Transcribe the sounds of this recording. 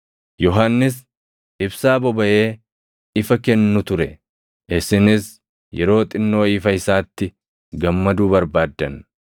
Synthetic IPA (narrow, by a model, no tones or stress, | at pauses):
jɔɦanːɪs | ʔɪbsaːbɔbɐʔe̞ː | ɪfɐkɛnːʊt̪ʊɾɛ | ʔɪsɪnɪs | jɛ̰ɾo̞ːt̪ʼɪnːo̞ːiːfɐɪsaːt̪ːɪ | ɡɐmːɐd̪uːbɐɾbaːd̪ːɐn